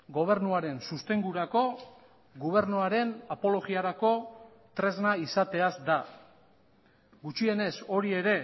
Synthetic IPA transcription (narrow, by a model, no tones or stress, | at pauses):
ɡo̞β̞e̞ɾnuaɾe̞nsust̪e̞ŋɡuɾako̞ | ɡoβ̞e̞ɾnuaɾe̞napo̞lo̞ɣiaɾako̞ | t̪ɾe̞znaisat̪e̞azd̪a | ɡut͡ʃie̞ne̞so̞ɾie̞ɾe̞